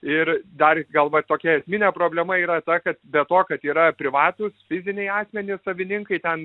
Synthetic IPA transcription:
ɪrd̪ɐrɡɐlˠʋɐt̪oːkʲɛɛsʲmʲɪnʲɛːpɾoːbʲlʲɛmɐiːɾɐt̪ɐkɐt̪bʲɛt̪oːkɐt̪iːɾɐpʲɾʲɪʋɑːt̪ʊsfʲɪzʲɪnʲɛɪɑːsʲmʲɛnʲɪsɐʋʲɪnʲɪŋkɐɪt̪ʲɛn

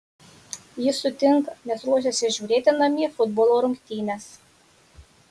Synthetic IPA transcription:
jɪsʊt̪ʲɪŋkɐnʲɛsɾuɔʃ̬ʲɛsʲɪʒʲuːɾʲeːt̪ʲɪnɐmʲiːfʊd̪boːlˠoːɾʊŋʲkʲt̪ʲiːnʲɛs

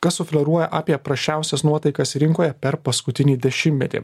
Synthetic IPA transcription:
kɐssʊfʲlʲɛɾuɔjɛʔaːpʲiɛpɾɐʃʲt͡ʃʲæˑʊsʲɛsnuɔt̪ɐɪkɐsɾʲɪŋkoːjɛpʲɛɾpɐskʊt̪ʲɪnʲiːd̪ʲɛʃʲɪmʲɛt̪ʲḭ

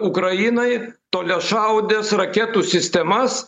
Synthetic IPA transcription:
ʊkɾɐjinɐɪt̪oːlʲɛʃɐʊd̪ʲɛsrɐkʲɛt̪uːsʲɪsʲt̪ʲɛmɐs

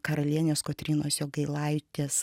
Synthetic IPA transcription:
kɐɾɐlʲiɛnʲoːskot̪ʲɾʲiːnoːsjoːɡɐɪlˠɐɪt̪ʲeːs

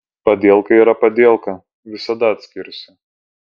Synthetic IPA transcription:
pɐd̪ʲeɛlˠkɐiːɾɐpɐd̪ʲeːlˠkɐ | ʋʲɪsɐd̪ɐɐt̪ʲsʲkʲɪɾʲsʲɪ

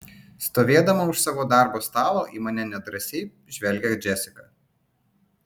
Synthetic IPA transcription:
st̪oːʋʲeːd̪ɐmɐʊʃsɑːʋoːd̪ɑˑɾboːst̪ɑːlˠoːʔiːmɐnʲɛnʲɛd̪ɾɐsʲeɪ | ʒʲʋʲɛlʲɡʲɛd͡ʒʲɛsʲɪkɐ

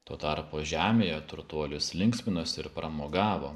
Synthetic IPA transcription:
t̪oːt̪ɐɾpoːʒʲæːmʲeːjɛt̪ʊɾt̪uɔlʲʊslʲɪŋksʲmʲɪnoːsʲɪɾpɾɐmoːɡɑːʋoː

